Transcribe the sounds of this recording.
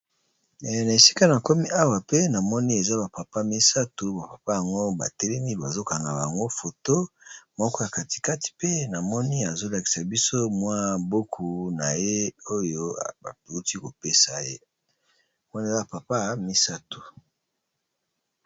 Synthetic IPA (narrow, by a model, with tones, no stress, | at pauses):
na˨e˨si̥˦ka˦na˨ko˦mi˦a˦wa˨pe˦na˨mɔ˦ni˦e˨za˦ba˨pa˨pa˦mi˦sa˦tu˨ba˨pa˨pa˦ja˨ŋɡo˦ba̰˨tɛ˦lɛ˦mi˦ba˨zo˦ka˨ŋɡa˨ba̰˨ŋɡo˦fo˨to˦mɔ˦kɔ˦ja˨ka˨ti̥˨ka˦ti̥˨pe˦na˨mɔ˦ni˦a˨zo˦la˨ki̥˨sa˨bi˦so˦mwa˦bo˦kʰu˨na˨je˦o˦jo˦a̰˨ba˨u˦ti˦ko˨pe˦sa˨je˦ | mwa˦n˨za˦ba˨pa˨pa˦mi˦sa˦tu̥˨